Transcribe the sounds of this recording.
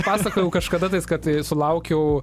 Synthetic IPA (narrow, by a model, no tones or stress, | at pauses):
pɑːsɐkoːjɛʊkɐʃkɐd̪ɐt̪ɐɪskɐt̪sʊlˠɐʊkʲɛʊ